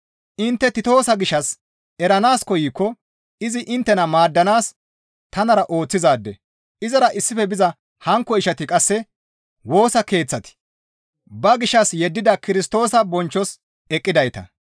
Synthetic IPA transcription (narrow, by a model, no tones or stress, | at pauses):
ʔɪnt̪ːɛt̪ɪt̪o̞ːsɐɡɪʃːɐs | ɛɾɐnaːskɔjiːkːɔ | ɪzɪʔɪnt̪ːɛnɐmaːd̪ːɐnaːs | t̪ɐnɐɾɐʔo̞ːt͡sːɪzaːd̪ːɛ̰ | ʔɪzɐɾɐʔɪsːɪfɛbɪzɐ | hɐŋkːɔɪʃɐt̪ɪkʼɐsːɛ | wo̞ːsɐke̞ːt͡sːɐt̪ɪ̥ | bɐɡɪʃːɐsjɛd̪ːɪd̪ɐkɪɾɪst̪o̞ːsɐbɔnt͡ʃːɔs | ɛkʼːɪd̪ɐjt̪ɐ̰